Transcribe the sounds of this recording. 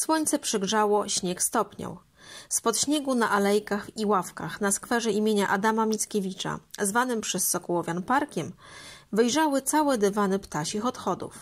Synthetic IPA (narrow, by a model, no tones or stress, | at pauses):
swɔɲʲt̪sɛpʂɘɡʐawɔɕɲɛkst̪ɔpɲɔ̰w | spɔt̪ɕɲeɡunaʔalɛjkaxiwafkaxnaskfɛʐɛimʲjeɲaʔad̪amamʲitskʲevʲit͡ʂa̰zvanɘmpʂɛsːɔkɔwɔvʲjanpaɾkʲɛmvɘjʐawɘt̪sawɛd̪ɘvanɘpt̪aɕixɔt̪xɔd̪ṵf